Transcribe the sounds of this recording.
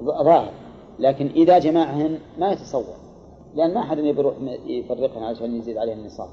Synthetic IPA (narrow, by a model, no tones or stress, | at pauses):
ðˤɑːhɪɾ | laːkɪnʔɪðad͡ʒamaːʕhɪnmajat̪ɑ̥sˤɑwːɑ̰ɾˤ | lɪʔanːmaʔaħad̪ɪnjbɾuːħfarːɪqhʊnʕalaʃaːnjɪziːd̪ʕaleːhɪnːɨsˤɑ̰ːb